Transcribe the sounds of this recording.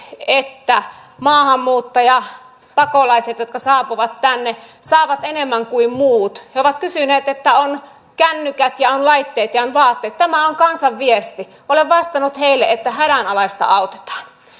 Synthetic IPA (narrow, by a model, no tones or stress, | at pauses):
et̪ːæmɑːhɑmːuːt̪ːɑjɑ | pɑkolɑiset̪jot̪kɑsɑːpuʋɑt̪tænːesɑːʋɑt̪enemːæŋkuimmuːt̪heoʋɑt̪kysyneːt̪et̪ːæon | kænːykæt̪jɑonlɑit̪ːeːt̪jɑonʋɑːt̪ːeːt̪t̪æmæoŋkɑnsɑʋʋiest̪i | ʔoleʋʋɑst̪ɑnut̪heilːeʔet̪ːæhæɾænɑlɑist̪ɑ̰ɑut̪e̥t̪ɑ̥ːn